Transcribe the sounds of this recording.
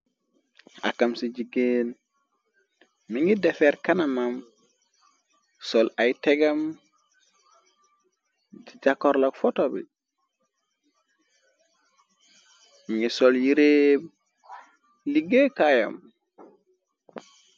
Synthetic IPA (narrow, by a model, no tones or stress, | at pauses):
a̰kːamsid͡ʒiɡen | miŋɡɛdɛfɛɾkanamam | sɔlajtɛɡam | d͡ʒid͡ʒakːɔɾlɔkfɔtɔbɛ̰ | miŋɡɛsɔljiɾeb | liɡekaja̰m